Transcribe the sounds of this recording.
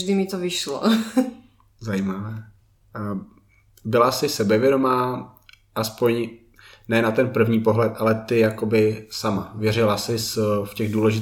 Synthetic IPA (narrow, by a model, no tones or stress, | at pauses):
ʒdɪmɪt̪ovɪʃlo̰ | zajimavɛː | bɪlasɪsɛbɛvjɛdo̞maː | ʔaspoɲ | nɛnat̪ɛnpr̩vɲiːpo̞ɦlɛt̪ʔalɛt̪ɪjako̞bɪsamavjɛɾɪlasɪsfcɛɣduːlɛʒɪt̪